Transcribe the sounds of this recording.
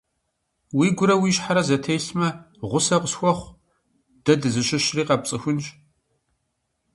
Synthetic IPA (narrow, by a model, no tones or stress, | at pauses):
wiːɡʷʊɾɐwiːʃħaɾɐzɐtʰejɬmɐ | ʁʷʊsɐqəsxʷɔχʷ | d̥ɐdɨzɨɕɪʃriːqɐpt͡sʼɨxʷʊnʒ